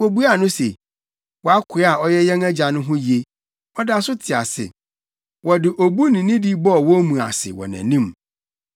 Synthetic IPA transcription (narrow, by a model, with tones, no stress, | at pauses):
wɔ˨bu˦a˦˨nʊ̃˦sḛ˨ | wɔ˨a˦kʷʰʊ˨˦a˨ɔ˦jɛ˦jɛ̃˦ŋæ˦d͡ʑa˨nʊ̃˦ɦʊ̃˦ji˨e˦ | wɔ˦dɪ˦a˨sʊ˦tʰɪ˨a̰˨sɪ̰˨ | wɔ˨dɪ˨ʔo˨bu˦nɪ̃˨nɪ̃˦di˦bɔ˦ɔ˨wɔ˦mũ˨a̰˨sɪ̰˨wɔ̰˨næ̰̃˨nĩ˦m